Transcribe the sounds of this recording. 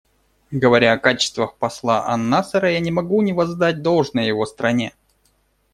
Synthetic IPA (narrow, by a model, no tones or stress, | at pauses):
ɡəvɐɾʲaɐkat͡ɕɪ̥st̪vəxpɐslˠaʔɐ̰nːasəɾəjanʲɪmɐɡunʲɪvɐzd̪at̚ʲd̪o̞lˠʐnəjjɪvo̞st̪ɾɐnʲe̞